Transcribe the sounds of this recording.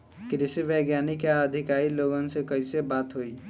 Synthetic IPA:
kɾɪsiʋeɡjaːnikaəd̪ʱɪkaːɾiloːɡənsekɐisebaːt̪ɦoiː

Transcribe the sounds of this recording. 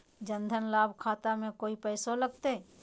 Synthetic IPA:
d͡ʒə̃nd̪ʱənlaːbʱkʰaːt̪amẽkoːipɛːsoləɡ̚t̪e

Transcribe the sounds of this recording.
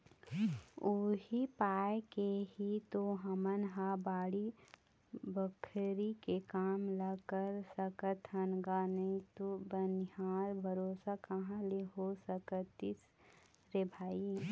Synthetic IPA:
uɦipaːjkeɦit̪oɦəmənɦabaːɽi | bəkʰɾikekaːmlakəɾsəkət̪ənɡanəĩt̪obənjaːɾbʱəɾoːsakəɦãleɦosəkət̪is | ɾebʱaːi

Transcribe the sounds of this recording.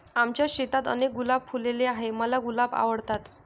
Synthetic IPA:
amt͡ɕjaɕet̪at̪ə̰nek̚ɡulab̚pʰuleleaɦeməlaɡulaba̰ʋəɽt̪at̪

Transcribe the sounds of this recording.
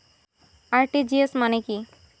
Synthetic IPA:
aɾʈid͡ʒiesmaneki

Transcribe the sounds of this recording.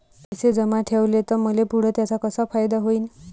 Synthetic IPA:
t̪esed͡zəmaʈʰeʋlet̪əɾməlepuɽ̤ət̪jat͡sakəsafajd̪aɦoiːn

